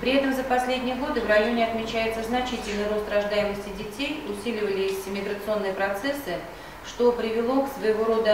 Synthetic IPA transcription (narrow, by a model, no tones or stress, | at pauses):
pɾʲɪɛt̪əmzəpɐsʲlʲedʲnʲɪjəɡo̞d̪ɨvrɐjonʲɪɐt̪mʲɪt͡ɕæjɪt̪səznɐt͡ɕitʲɪlʲnəjɾost̪rɐʐd̪ajɪməsʲtʲɪdʲɪtʲejʊsʲilʲɪvəlʲɪjɪsʲɪmʲɪɡɾət̪sɨo̞nːɨjəpɾɐt̪sɛsːɨ | ʂt̪o̞pɾʲɪvʲɪlˠo̞ksvəjɪvoɾo̞d̪ə